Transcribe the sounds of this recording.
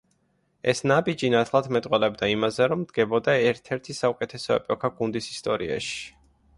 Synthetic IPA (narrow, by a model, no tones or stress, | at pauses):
ɛ̰snabid͡ʒinat̪ʰlˠad̪mɛt̪ʼqʼwɛlɛbd̪aimazɛɾɔmd̪ɡɛbɔd̪aɛɾt̪ʰɛɾt̪ʰisaukʼɛt̪ʰɛsɔɛ̰pʼɔkʰaɡund̪isist̪ʼɔɾia̰ʃi̥